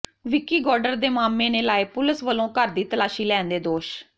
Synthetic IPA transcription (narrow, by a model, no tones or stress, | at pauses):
ʋɪkiːɡɔːɾɖəɾd̪eːmaːmːeːneːlaːeːpʊlɪsʋəlõːkəɾd̪iːt̪əlaːʃiːlɛːnd̪eːd̪oːʃ